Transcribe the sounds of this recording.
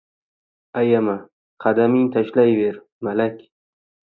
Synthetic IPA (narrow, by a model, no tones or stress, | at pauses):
ajama | qʰɑd̪amɪŋt̪ʰaʃlajveɾ | malakʲ